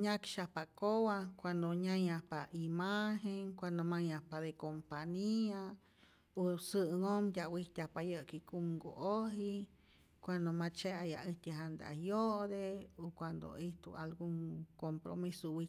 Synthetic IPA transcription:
ɲʲakʃapakowakʷand̪oɲajahpaimaɦeŋkʷand̪omajahpad̪ekompaɲia | osɨŋomd̪ʲawit̪ʲapajəkikumɡo̰ʔoɦi | kʷand̪omat͡ʃeaja̰ʔit̪ʲeɦand̪a̰joʔd̪eokʷand̪o̰iht̪ṵalɡuŋkompɾo̰misowi

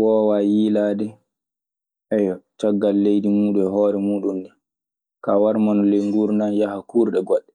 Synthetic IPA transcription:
wɔːwajiːlaːdɛ | ʔɛjɔt͡ʃaɡːalːejdimuːɗuɛɦɔːɾɛmuːɗundɛ | kawaɾmanɔleŋɡuɾnajahakuɾɗɛɡɔɗːɛ

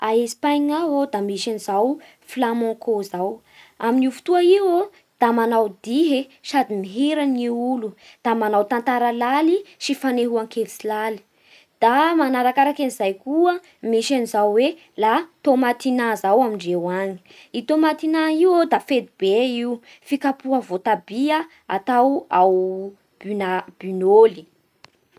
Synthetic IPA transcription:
aesi̥pajŋaɦod̪amiʃanizaw | flamɔ̃kozaw | aminiufu̥t̪uaiwo | d̪̥amanawd̪iɦesad̪imiɦeɾaniulu | d̪̥amanawt̪ant̪aɾalaliʃifaneɦuaŋkelisilali̥ | d̪̥amanaɾakaɾakanizajkuə | miʃanizawwe | lat̪omat̪inazawamiɳɖ͡ʐewaɲi̥ | it̪omat̪inaiwod̪afed̪ib̥eiu | fikapuɦəvot̪abiə | a̰t̪awaw | b̥ynab̥ynoli̥

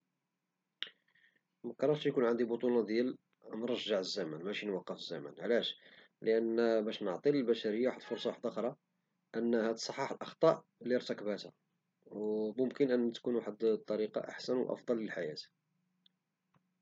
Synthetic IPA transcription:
mæqɑɾˤːɑɾʃjkunʕənd̪ibot̪ˤunɑd̪jæl | nɾˤɑʒːəʕəzːæmænmæʃinwɑqːəfəzːæ̰mæ̰nʕlæʃ | ləʔænbæʃnəʕt̪ˤiləlbæʃæɾəjːawaħəd̪lfʊɾsˤɑwaħd̪ɑxɾˤɑ | ʔənːhæt̪sˤɑħːɑħəlʔɑxt̪ˤɑʔ | liɾt̪ækəbhæt̪hæ̰ | wmʊmkənʔənːt̪kunwaħəd̪t̪ˤːɑɾiqɑ̰ʔa̰ħsænwʔɑ̰fd̪ˤɑlːəlħajæt̪

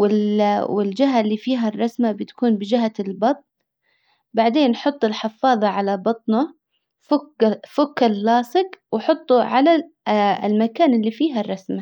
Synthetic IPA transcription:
wɪwɪld͡ʒɪɦalːiːfiːɦarˤːɑsmabɪt̪ḁkuːnbɪd͡ʒɪɦalbɑt̪ˤn | baʕd̪eːnːħʊt̪ˤːɪlħɪfɑːðˤɑʕalabɑt̪ˤna | fʊkfʊkːalːɑːsˤɪqwɪħʊt̪ˤːuʕala | ɪ̰lmakaːnɪlːifiːɦarˤːɑsma

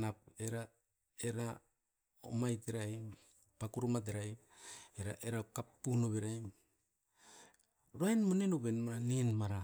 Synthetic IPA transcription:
napeɾa | eɾa | o̰majteɾajm | pakuɾomat̬eɾaj | eɾaʔeɾakapːunoβeɾajm | ɾaenmonenobenmaɾaninmaɾa

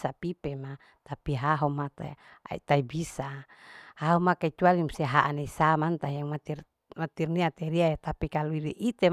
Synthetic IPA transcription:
sapipema | t̪apiɦaɦomat̪a̰ | a̰ḭt̪aibisa | haɦomakait͡ʃualimuseɦaʔaneisamant̪ajaŋmat̪ir | mat̪irniat̪ɛɾiajat̪apikaluiɾiʔit̪e

